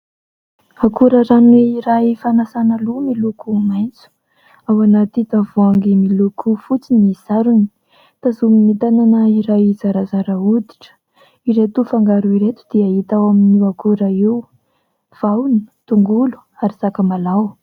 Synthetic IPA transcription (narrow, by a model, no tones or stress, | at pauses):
akuɾəɾanweiɾajfanasanalumilukumajnt͡su̥ | awanat̪it̪avuaŋɡimilukʰufut͡siniz̥aɾuni̥ | t̪azuminit̪ananəiɾajizaɾazaɾaud̪i̥ʈ͡ʂə̥ | iɾet̪ufaŋɡaɾuiɾet̪u̥d̪iaɦit̪awaminiakuɾəew | v̥awnət̪uŋɡulu̥ | aɾisakəmalaw